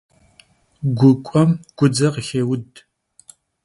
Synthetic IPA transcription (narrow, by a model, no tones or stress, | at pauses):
ɡʷʊkʷʼɔmɡ̥ʷʊd͡zɐʁəxeːwʊd